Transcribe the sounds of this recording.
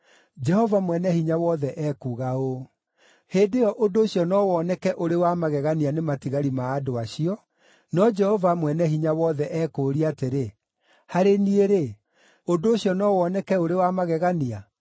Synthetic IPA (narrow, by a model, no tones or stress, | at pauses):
d͡ʒɛhɔvamwɛnɛhiɲawɔðɛʔɛkuːɣao | hedeɔʔodoːɕiɔnɔwɔnɛkɛʔoɾewamaɣɛɣanianematiɣaɾimaːdoaɕiɔ | nɔd͡ʒɛhɔvamwɛnɛhiɲawɔðɛʔɛkoɾiateɾe | haɾenieɾe | ondoːɕiɔnɔwɔnɛkɛoɾewamaɣɛɣania